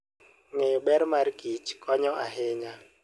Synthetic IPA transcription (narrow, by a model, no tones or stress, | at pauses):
ŋejoɓɛɾmarɡit͡ʃkʰɔɲɔʔaɦɪɲa